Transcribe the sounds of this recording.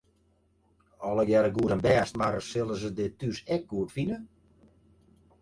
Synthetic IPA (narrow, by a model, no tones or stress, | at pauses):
ɔlˠəɡjɛɾəɡuəɾənbɛːstmaɾəsɪlˠəzədɪtysɛk̚ɡuətfinə